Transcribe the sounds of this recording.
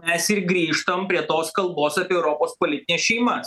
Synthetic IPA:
mʲɛsɪɾɡɾʲiːʃt̪ɐmpʲɾʲiɛt̪oːskɐlˠboːsɑːpʲiɛɛʊɾoːpoːspoːlʲɪt̪ʲɪnʲeːsʃʲɛɪmɐs

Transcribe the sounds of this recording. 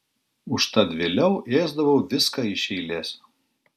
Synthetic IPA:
ʊʃt̪ɐd̪ʲʋʲeːlʲɛʊʔeːzd̪ɐʋɐʊʋʲɪskɐɪʃʲɛɪlʲeːsʲ

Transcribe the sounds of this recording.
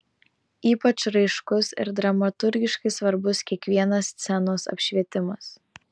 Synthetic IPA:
iːpɐt͡ʃɾɐɪʃkʊsɪ̰ɾd̪ɾɐmɐt̪ʊɾʲɡʲɪʃkɐɪsʋɐɾbʊskʲiɛkʋʲiɛnɐst̪sʲɛnoːsɐ̰pʲʃʲʋʲiɛt̪ʲɪmɐs

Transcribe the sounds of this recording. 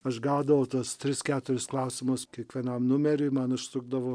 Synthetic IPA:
ɐʃɡɑːd̪ɐʋɐʊt̪uɔst̪ʲɾʲɪskʲæːt̪ʊɾʲɪsklˠɑʊsʲɪmʊskʲiɛkʋʲiɛnɐmnʊmʲɛɾʲɛɪmɐnʊʃsʊɡd̪ɐʋo

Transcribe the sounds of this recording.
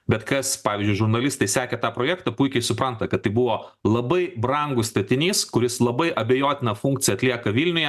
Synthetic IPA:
bʲɛt̪kɐspɑːʋʲiːzʲd͡ʒʲʊɪʒʊɾnɐlʲɪst̪ɐɪsʲæːkʲet̪ɑːpɾoːjɛæːkt̪ɐpʊɪkʲɛɪsʊpɾɐnt̪ɐkɐt̪t̪ːɐɪbʊʋoːlˠɐbɐɪbɾɐŋɡʊsst̪ɐt̪ʲɪnʲiːskʊɾʲɪslˠɐbɐɪʔɐbʲɛjoːt̪ʲɪnɐfuŋk̚t̪ʲɪjɐːt̪ʲlʲiɛkɐʋʲilʲnʲʊjɛ

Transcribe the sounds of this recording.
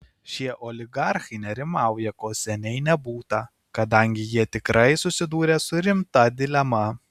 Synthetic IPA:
ʃʲiɛʔoːlʲɪɡɑˑɾxɐɪnʲɛɾʲɪmɑˑʊjɛkoːsʲɛnʲɛɪnʲɛbuːt̪ɐ | kɐd̪ɐŋʲɡʲɪjiɛt̪ʲɪkɾʔɐɪsʊsʲɪd̪uːɾʲeːsʊɾʲɪmt̪ɐd̪ʲɪlʲɛmɐ

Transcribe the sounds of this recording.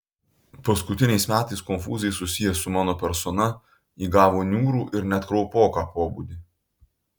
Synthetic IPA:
pɐskʊt̪ʲɪnʲɛɪsmʲæːt̪ɐɪskɔnʲfṵːzʲɛsʊsʲɪjɛsʊmɑːnoːpʲɛɾsɔnɐ | iːɡɑːʋoːnʲuːɾuːʔɪɾnʲɛt̪kɾɔʊpoːkɑːpoːbṵːd̪ʲɪ

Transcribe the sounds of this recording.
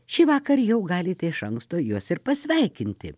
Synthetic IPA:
ʃʲiːʋɑːkɐɾjɛʊɡɑːlʲɪt̪ʲɛɪʃɐŋkst̪oːjuɔsɪrpɐsʲʋʲɛɪkʲɪnʲt̪ʲɪ̰

